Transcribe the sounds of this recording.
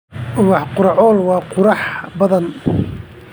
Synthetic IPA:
ʔʊɣɑħqʊɾɑʕɔːlwɑːqʊɾɑħbɐðɐn

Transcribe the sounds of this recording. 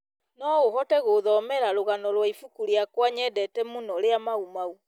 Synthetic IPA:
nɔohɔtɛɣoːðɔmɛɾaɾoɣanɔlwaifukuɾiakwaɲɛdɛtɛmonɔɾeamaumau

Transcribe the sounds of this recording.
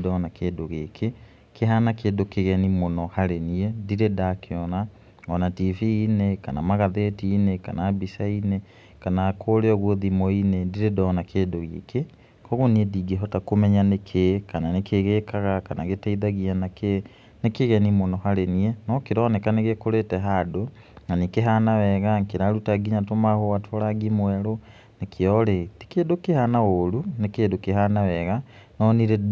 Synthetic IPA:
dɔnakʰedoɣekʰe | keɦanakedokeɣɛnimonɔhaɾeniediɾedakʰeɔna | ɔnativiːnekanamaɣaðetiːneka̰nabisaine | kanakʰoɾeɔɣwoðimɔinediɾedɔnakʰeːdoɣḛkʰe | kɔɣoniediɡeɦɔtakomɛɲanekʰekananekʰeɣekaɣakanaɣetaiðaɣianake | nekeɣɛnimonɔhaɾeniɛnɔkeɾɔnɛkaneɣekoɾetɛɦado | nanikeɦanawɛɣaŋkeɾaɾutaɡiɲatomahowatʰɔɾaɡimwɛɾo | nekʰeɔɾeti̥keːdokehanaoɾunekedokeɦanawɛɣanɔniɾe

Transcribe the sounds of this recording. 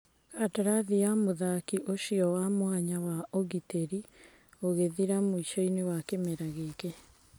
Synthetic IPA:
kataɾaðijamoðakiʔoʃiɔwamwaɲawaoɣiteɾi | oɣeðiɾamoiʃɔinewakemeɾaɣeke

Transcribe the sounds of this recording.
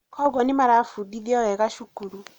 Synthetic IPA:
kʰɔɣɔnimaɾaːfuðiðiɔwɛɣaʃukuɾu

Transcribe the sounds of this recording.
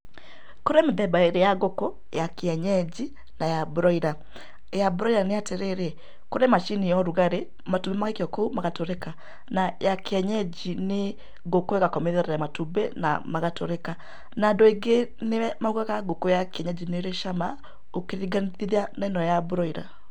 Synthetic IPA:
koɾemeðɛbaeɾejaɡoko | jakeɛɲɛd͡ʒi | najabuɾɔiɾa | jabuɾɔiɾaneatɛɾɛɾe | koɾemaʃinijɔɾuɣaɾe | matubɛmaɣekjɔkoumaɣatoɾɛka | najakeɛɲɛd͡ʒine | ɡokoɛɣakɔmɛðɛɾaaamatubɛna̰maɣatoɾɛka | naːndoeɡeneɛmaukakaɡokojakeɛɲɛd͡ʒineɾeʃama | okeɾiɡaniðiðanɛnɔjabuɾɔiɾa̰

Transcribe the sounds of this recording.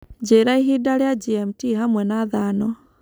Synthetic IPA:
d͡ʒeɾaiɦidaɾead͡ʒiɛmtiɦamwɛnaðanɔ

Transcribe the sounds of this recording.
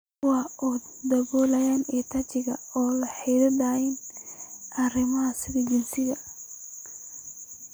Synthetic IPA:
wɑːʔɔ | d̪ɐβɔːlɐjaːnɛːt̪ʰat͡ʃɪɣɐ̰ɔːlɐħɛjðɐd̪aːjɛn | ʔɐrɪmɐɦɐsɪðɐd͡ʒɪnsɪɣɐ

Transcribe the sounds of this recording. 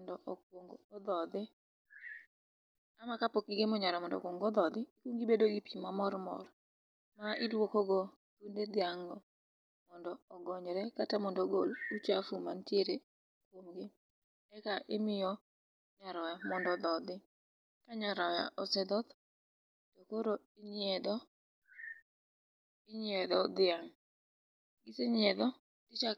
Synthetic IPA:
ndɔʔɔkwoŋɡːd̪ɔd̪ɪ | amakapokiɡemɔɲaɾɔmɔndɔ̰kwoŋɡɔd̪ɔd̪ɪikwoŋɡibedoɡipimamɔrmɔ̰r | maʔɪdwokoɡo | t̪unded̪ɪaŋɡɔ | mɔndɔːɡɔɲɾɛkatamɔndɔɡolut͡ʃafumantjeɾe | kwomɡɪ | ɛkaʔɪmɪjɔ | ɲaɾɔjamɔndɔd̪ɔd̪ɪ | kaɲaɾɔja̰ʔɔsɛd̪ɔt̪ | tokoɾo | ɪɲɛd̪ɔ | ɪɲɛd̪ɔd̪ɪaŋ | ɡiseɲɛd̪ɔ | tɪt͡ʃa

